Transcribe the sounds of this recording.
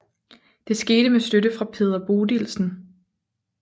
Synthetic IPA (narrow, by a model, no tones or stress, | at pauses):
d̥e̝sɡ̥e̝ːɾ̥əmesd̥øɾəfʁɑ̈pʰe̝ːð̞̰ˠɐb̥o̝ːdilsn̩